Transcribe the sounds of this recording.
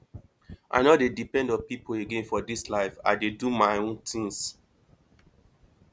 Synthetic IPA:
ʔa̰ɪnɔdedipɛ̃ndɔ̃npipʰoeɡẽnfɔdislaɪfa̰ɪdedumaɪõntĩŋs

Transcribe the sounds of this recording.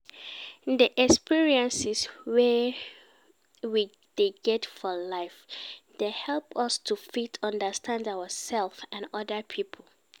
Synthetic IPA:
diʔɛkspiɹiɛ̃nsɪswɛ | wi | d̥eɡɛtfɔlaɪfd̥ehɛlˠpɔstʰufitʰɔ̃ndəstʰãndawəsɛlˠfãnɔdəpʰipʰol̩

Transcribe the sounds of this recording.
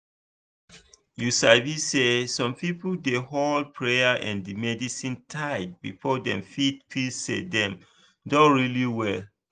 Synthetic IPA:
jusavissesɔ̃mpipldehold̚pʰɹejaʔɛ̰̃ndimɛdisĩntʰaɪd̚bḭfɔdɛ̰̃mfit̚pʰisḛdɛ̃m | dõɹiliwɛl

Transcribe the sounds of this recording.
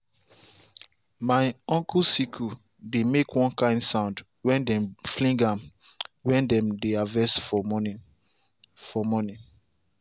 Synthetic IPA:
maɪɔ̃ŋkʰusikʰu | demekwɔ̃nkãɪ̃ndsãʊ̃nd | wɛ̃ndɛ̃mflĩŋɡãm | wɛ̃ndɛ̃mdeavɛsfɔ | fɔmɔnĩ

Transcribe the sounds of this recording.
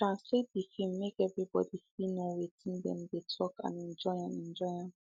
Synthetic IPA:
tɹãnslet̚b̥ifim̩ːekɛvɹibɔ̰disinowetʰĩn̩dɛ̰̃m̩betʰɔkã̰nin̩d͡ʒɔãnin̩d͡ʒɔãn

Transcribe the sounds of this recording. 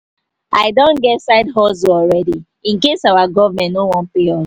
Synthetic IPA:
aɪdõnɡɛtsaɪdɦɔzoɔlɹɛdi | ĩnkesawaɡɔvamɛ̃ntnowɔ̃npeɔ

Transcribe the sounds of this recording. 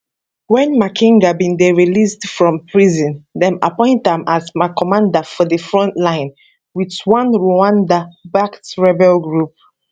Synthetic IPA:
wɛ̃nmakʰĩŋɡabĩndeɹilisdfɹɔ̃mpʰɹizɔ̃ndɛ̃ma̰pɔ̃ɪ̃ntãmazmaɪkɔmãndafɔdəfɹɔ̃ntlãɪ̃n | witwãnɹoãndabaktɹɛbɛlɡɹup̚

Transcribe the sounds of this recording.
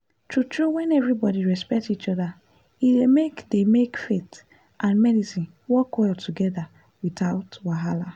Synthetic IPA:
tutɹowɛ̃nɛvɹibɔdiɹɛspɛk̚tit͡ʃɔða | iemekdemekfet | ʔãnmɛdisĩn | wɔkɔltʰuɡɛða | wiθaʊtwaɦala

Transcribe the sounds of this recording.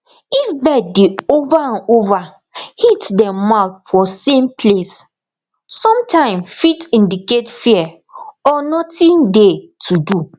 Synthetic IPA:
ifbɛdeovaãnova | hitdɛ̃maʊθfɔsẽmpʰles | sɔ̃mtʰãɪ̃mfitĩndiketfiɛ | ɔnɔtĩndetʰudu

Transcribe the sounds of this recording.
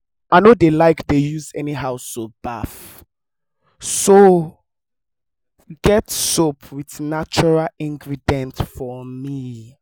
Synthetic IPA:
ʔaɪnodelaɪkdejuzɛniɦaʊstob̥af | so | ɡ̥ɛtsopʰwiðnat͡ʃɔɹalĩŋɡɹidɛ̃ntfɔmi

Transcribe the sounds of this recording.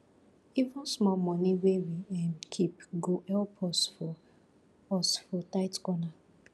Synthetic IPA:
ivʊ̃smɔmɔniwewiãnkʰipɡoʔɛlpʰɔstfɔ | ɔstfɔtaɪtkɔna

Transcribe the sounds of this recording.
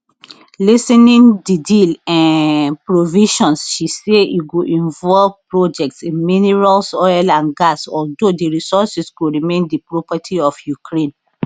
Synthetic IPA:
lisɛ̃nĩndidilãnpɹoviʃɔ̃nsʃisejuɡoʔĩnvɔlvpɹod͡ʒɛk̚tsĩnminiɹalsɔlãnɡasɔldodiɹisɔsisɡoɹimẽndipɹɔpatʰiɔfjukʰɹẽn

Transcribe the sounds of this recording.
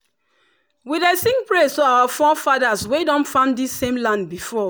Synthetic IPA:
widɛsĩŋpɹestoawafɔfaðaswedɔ̃nfãʊ̃ndisːẽmlãndbifɔ

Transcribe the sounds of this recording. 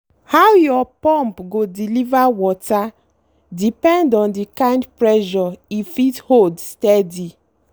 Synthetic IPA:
hawjɔpɔ̃mpɡodilivawɔta | dipɛ̃ndɔ̃ndikãj̃ndpɹɛʃɔifitholdstɛdi

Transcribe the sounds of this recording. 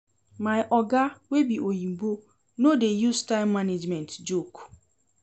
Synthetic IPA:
maɪʔɔɡawebiʔojim̩bo | nodejustaɪmːaned͡ʒmɛ̃ntd͡ʒok

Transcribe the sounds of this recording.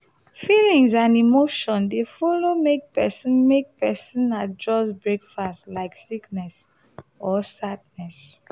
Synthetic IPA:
filĩŋzãnimoʃɔ̃ndefɔlomek̚pɛsĩnmek̚pɛsĩnadɹɔsbɹekfastlaɪksiknɛs | ɔsadnɛs

